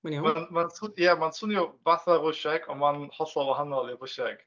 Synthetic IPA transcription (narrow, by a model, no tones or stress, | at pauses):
mnmanmansʊjɛmansʊnjɔvaθarʊʃɛɡɔnmanhɔɬɔwahanɔlˠiɾʊʃɛɡ̥